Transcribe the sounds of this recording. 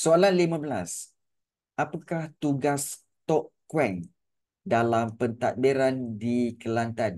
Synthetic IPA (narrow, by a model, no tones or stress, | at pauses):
soalanlimãbəla̰s | ʔapakaht̪uɡas | t̪ɔʔkwɛŋ | dalampənt̪at̪̚biɾandikəlant̪an